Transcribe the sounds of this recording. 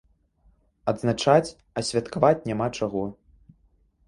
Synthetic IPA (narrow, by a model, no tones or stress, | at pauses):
ɐd̪znat͡ʂat͡sʲ | ɐsʲvʲat̪kavat͡sʲnʲamat͡ʂaɣɔ